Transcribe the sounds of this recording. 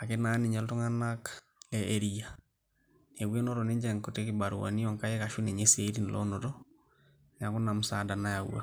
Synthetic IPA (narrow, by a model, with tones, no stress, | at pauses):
ake˦na˨˦ni˨ɲa˨lto˦ŋa˦na˦k | ɛʔeɾia | ne˨we˦no˦ɾone˦ɲd͡ʒɛ˨ŋko˨tekiba˨ɾṵwa̰˨ni˦ɔ˨ŋka˦je˦ka˨ʃu˦ne˨ɲe˦se˦ɾi˦n˨lʔɔ̰noɾɔ | ɲa˨ku˦na˨musada˨na˦ja˨w̰a̰